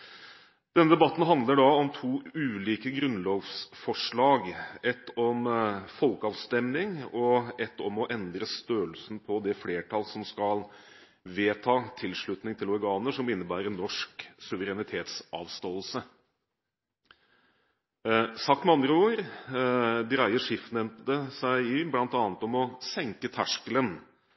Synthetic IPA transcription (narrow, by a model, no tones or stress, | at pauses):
d̪̥ɛnːəd̪ɛbɑt̪ːn̩ɦɑnd̪ləɖɑɔmt̪ʰuːʉːliːkəɡɾʉnloːɡsfɔʂɭɑːɡɛt̪ːɔmfɔlkəɑːʋst̪ɛmnɪŋɔɛt̪ːɔmɔʔɛnd̪ɾəst̪øːəlsnpʰɔd̪ɛfleːʈʰɑlsɔmskɑl | ʋeːt̪ʰɑːt̪ʰɪlʂɭʉt̪nɪŋt̪ʰɪlɔɾɡɑːnəʂɔmɪnːəbæːɾənːɔʂksʉʋəɾɛnɪt̪ʰeːt̪sɑ̰ːʋst̪oːlsə | sɑk̚t̪mɛɑnd̪ɾəoːɾ | d̪ɾæɪəʂɪfnɛmt̪d̪əsæɪɪblɑnt̪ɑːnət̪ɔmɔsɛŋkət̪ʰæʂkələn